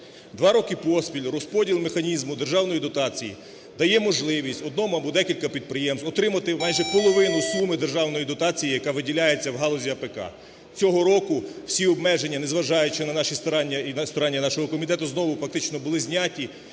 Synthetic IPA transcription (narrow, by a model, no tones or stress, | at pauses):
d̪ʋɑɾɔkɪpɔspʲilʲrɔspɔdʲilˠmexɐnʲizmʊd̪erʒɑwn̪ɔjid̪ɔt̪ɑt͡sʲijḭ | d̪ɐjɛmɔʒlˠɪʋʲisʲtʲɔd̪nɔmʊɐbɔd̪ɛkʲilʲkɐpʲid̪̚pɾɪjɛmsɔt̪ɾɪmɐt̪ɪmɑjʒɛpɔlˠɔʋɪnʊsumɪd̪e̞rʒɑwnɔjid̪ɔt̪ɑt͡sʲijijɐkɑʋɪdʲilʲajet͡sʲːɐwɦɑlˠɔzʲiɐpekɑ̰ | t͡sʲɔɦɔɾɔkʊw̥sʲiɔb̚mɛʒenʲːɐnezʋɐʒɑjʊt͡ʃɪnɐnɑʃʲist̪ɔɾɑnʲːɐst̪ɔɾɑnʲːɐnɑʃɔɦɔkɔmʲit̪ɛt̪ʊznɔʋʊfɐk̚t̪ɪt͡ʃnɔbʊlˠɪzʲnʲatʲi